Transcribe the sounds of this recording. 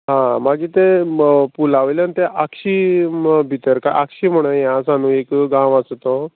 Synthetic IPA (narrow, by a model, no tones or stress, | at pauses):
ɦãmaɡiːt̪epulaʋljant̪eʔakɕiːbʱit̪əɾkajʔa̰kɕiːm̤əɽ̃əjãsanũːekɡãwəst̪o